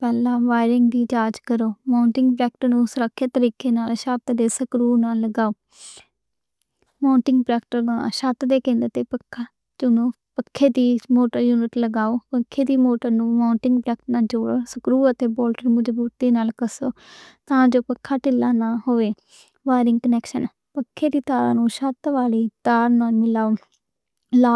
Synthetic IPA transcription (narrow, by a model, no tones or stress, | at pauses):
pɛːlãːʋaːɪɾɪŋɡd̪iːd͡ʒaːd͡ʒkəɾoːmaːʊɳʈɪŋɡpɾɛːk̚ʈəɾnũːsəɾəkʰːeːt̪əɾiːkeːnaːlʃət̪d̪eːsəkɾuːnaːlːəɡaːoː | maːɳʈɪŋɡpɾɛːk̚ʈəɾnaːʃət̪d̪eːkẽnd̪ət̪eːpəkʰːaː | t͡ʃʊnõː | pəkʰːeːd̪iːmoːʈəɾjuːnɪʈləɡaːoːpəkʰːeːd̪iːmoːʈəɾnũːmaːʊɳʈɪŋɡpɾɛːk̚ʈnaːld͡ʒoːɽoːsəkɾuːət̪eːboːlʈəɾmʊd͡ʒbuːt̪d̪eːnaːlkəsoːt̪ãːd͡ʒoːpəkʰːaːʈɪlːaːnaːhoːʋeː | ʋaːɾɪŋɡkənɛːkʃən | pəkʰːeːd̪iːt̪aːɾã̰ːnũːʃət̪ʋaːliːt̪aːɾnaːlmɪlaːoː | laː